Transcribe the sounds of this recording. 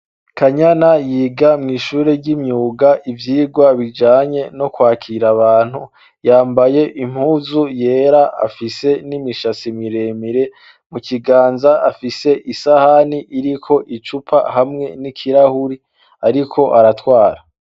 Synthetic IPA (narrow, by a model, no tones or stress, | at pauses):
kʰaɲanajiːɡamŋiːʃuːɾe̞ɾɟimɲuːɡaʔivjiːɡwaβid͡ʒaːɲe̞no̞kwaːkʰiɾaβaːn̥hu | jaːmbaje̞ʔim̥huːzuje̞ːɾaa̰fise̞nimiʃat͡simiɾemiɾe̞ | mukiɡaːnzaafiseʔisahaniʔiɾikʰo̞ʔit͡ʃupʰa̰hamŋe̞nikʰiɾahuɾi | aɾikʰo̞ʔaɾatwaːɾa